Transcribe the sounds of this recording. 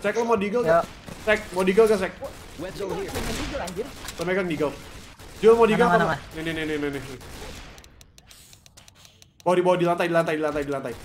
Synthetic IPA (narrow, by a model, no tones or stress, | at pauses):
saɛk̚lɔmadiɡəlka | sɛk̚madiɡəlkas̬ɛk̚ | aiɡəad͡ʒisəmpajkaŋdiɡəldiɡəlmadiɡəlaanenenenenenene | bawadibawadilant̪aidilant̪ajdilant̪aidilant̪aj